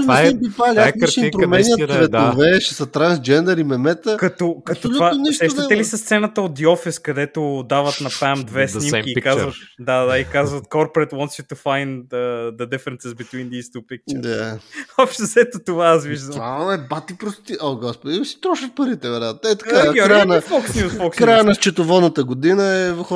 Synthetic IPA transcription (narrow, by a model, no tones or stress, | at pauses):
mvimp̪ipaliaɛɐɾt͡ʃiipɾomɛnʲjət̪t̪vɛd̪ovɛʃɛsɐt̪ɾãnsd͡ʒɛnd̪ɛɾimɛmɛt̪əkɐt̪okɐɐt̪otluvaonɛʃsɛʃt̪ət̪ɛlisɐst̪sɛnət̪əot̪̚d̪iɔfɛskɐd̪ɛt̪ʊd̪avɐt̪nɐpamd̪vɛsnim̟iːikazvɐt̪d̪ad̪aikazvɐt̪kɔɾpɾɛt̪wɔ̃nt̪sjut̪ːufajnəd̪əd̪ɛfɛɾɛnsɛzbit̪wind̪ist̪upik̚t͡ʃt͡ʃɛd̪aɔpʃt̪ezɛt̪ot̪ovaasviʒd̪ɐmvaɐmɛbat̪ipɾost̪iʔoɡɔspod̪iisi̥t̪ɾɔʃət̪̚pəɾit̪ɛvɛɾjat̪nɛt̪ɐkaɡɾɾanəfɔksnʲjusfɔkskɾajənɐst͡ʃɛt̪ovɔd̪nət̪əɡod̪inəɛvəx